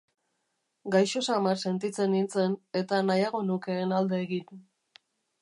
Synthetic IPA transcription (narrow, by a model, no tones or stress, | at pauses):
ɡajʃo̞samarse̞nt̪it͡se̞nːint͡se̞ne̞t̪anajaɣ̞o̞nuke̞ːnald̪e̞ːɣin